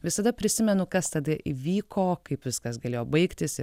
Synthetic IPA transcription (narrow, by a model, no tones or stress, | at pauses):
ʋʲɪsɐd̪ɐpʲɾʲɪsʲɪmʲɛnʊkɐst̪ɐd̪ɐʔiʋʲiːkʰoːkɐɪpʋʲɪskɐsɡɐlʲeːjoːbɐɪkt̪ʲɪs